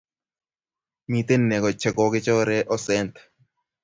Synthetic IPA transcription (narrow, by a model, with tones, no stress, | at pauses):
mi˨t̪e˦nːɛ˨kɔ˨t͡ʃːɛ˨ɡɔ˨kɪ˦t͡ʃɔː˦ɾɛ˦ʔɔ˦sɛ˦nt̪